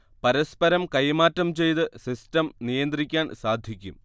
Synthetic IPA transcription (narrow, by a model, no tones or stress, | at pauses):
pɐɾɐspɐɾɐmkɐjmaːtːɐmt͡ɕe̞jt̪ɨsistɐmnijɐnd̪rikʲːaːnsaːd̪ʱjikʲːṵm